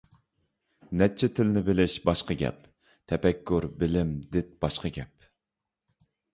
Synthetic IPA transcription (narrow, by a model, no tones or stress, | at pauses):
nɛt͡ʃʰːɛt̪ʰɪlnɪbɪlɪʃbɑʃqɑɡʲɛ̰p | t̪ʰɛpɛkʲʰːuɾbɪlɪmd̪ɪt̪̚b̥ɑʃqɑɡʲɛp̚